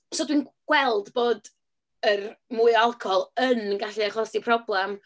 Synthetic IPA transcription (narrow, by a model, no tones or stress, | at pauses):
soːdwinɡ̥wɛlˠdboːd | ərmuːɨalˠkʰɔlˠənɡaɬɨaχɔsipʰrɔblˠɛm